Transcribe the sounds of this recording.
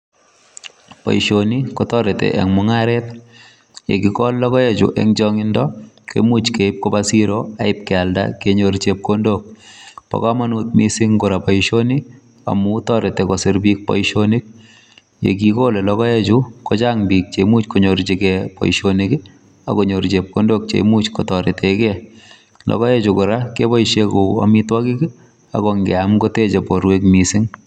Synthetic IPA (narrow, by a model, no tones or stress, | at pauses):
pa̰iʃonikɔtɔɾetḛʔɛ̰ŋmʊŋaɾɛt | jḛkikɔllɔkɔjet͡ʃṵʔɛ̰ŋt͡ʃɔŋɪndɔ | kḛmut͡ʃkeɪp̚kobasiɾoaɪp̚kɛalda̰keɲoɾt͡ʃep̚kondok̚pa̰kamanut̪̚misɪŋɡʊɾapaiʃoni | a̰mutɔɾetekɔsɪɾbik̚pɔ̰ʃonik̚ | jḛkikolelɔkɔjet͡ʃukɔt͡ʃaŋbiːk̚t͡ʃemut͡ʃkoɲoɾt͡ʃekɛpɔ̰iʃonikɪ | a̰koɲoɾt͡ʃep̚kondok̚t͡ʃḛmut͡ʃkotɔɾetekɛ | lɔ̰kɔjet͡ʃukʊɾakebɔiʃekoa̰mitwakɪkɪ | a̰koŋɡɛamkotet͡ʃepoɾwekmisiŋ